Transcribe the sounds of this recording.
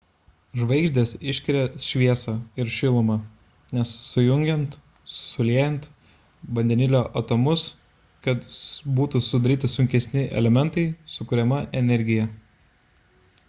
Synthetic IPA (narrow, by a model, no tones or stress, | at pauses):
ʒʋɐɪɡʒʲd̪ʲeːsɪʃʲkʲɪɾʲɛʃʲʋʲiɛsɑːɪɾʃʲɪlˠomɐ | nʲɛsːʊjʊŋʲɡʲɛnt̪ | sʊlʲeːjɛnt̪ | bɐnʲd̪ʲɛnʲɪlʲoːʔɐt̪omʊs | kɐt̪buːt̪usʊd̪ɐɾʲiːt̪ʲɪsʊŋʲkʲɛsʲnʲɪʔɛ̰lʲɛmʲɛnt̪ɐɪsʊkʊɾʲɛmɐʔɛnʲɛɾʲɡʲɪjɛ